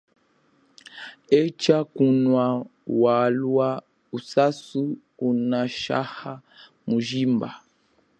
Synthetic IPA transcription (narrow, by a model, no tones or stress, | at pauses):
ɛt͡ʃakunwawalwa | usasu | unaʃa̰ha | muʒimba̰